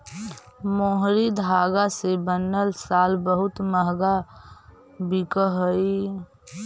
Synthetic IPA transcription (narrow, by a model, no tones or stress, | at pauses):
moɦɾid̪ʱaːɡasebənːəlsaːlbəɦʊt̪məɦɡa | bikəɦəi